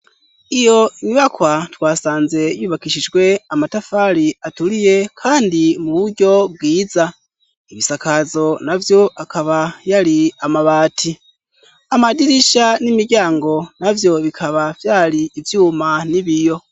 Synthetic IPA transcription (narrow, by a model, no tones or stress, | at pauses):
ijo̞iɲiβakwatwaːsaːnze̞juːβakiʃid͡ʒɡwe̞amatafaɾiatulije̞kʰaːndimuβuɾɟo̞b̚ɡiːza | iβisakazo̞navjo̞ʔakʰaβajaɾiamaβaːtʰi | amadiɾiʃanimiɟaːŋɡo̞navjo̞βikʰaβav̥jaːliːvjuːmaniβijo̞